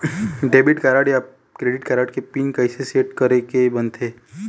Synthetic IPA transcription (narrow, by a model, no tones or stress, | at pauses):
ɖeːbɪʈkaːɾaːʈjaː | kɾeːɖɪʈkaːɾaːʈkepiːnkɐɪseseːʈkɐɾekebɐnt̪ʰeː